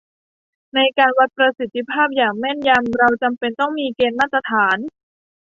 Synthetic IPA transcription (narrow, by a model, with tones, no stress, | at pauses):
na˧jkaː˧nwa˦˥t̪̚pɾa˧si˨˩t̪ʰːi˧˩pʰaː˥˩p̚jaː˨˩ŋmɛ˥˩nja˧mɾa˧wt͡ɕa˧mpe˧nt̪ɔ˥˩ŋmiː˧keː˧nmaː˥˩t̪ːɾa˧t̪ʰaː˩˦n